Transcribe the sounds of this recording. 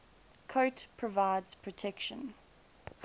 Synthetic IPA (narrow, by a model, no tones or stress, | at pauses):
kʰoʊtpʰɹ̥əvaɪdz̥pʰɹ̥ətʰɛkʃə̃n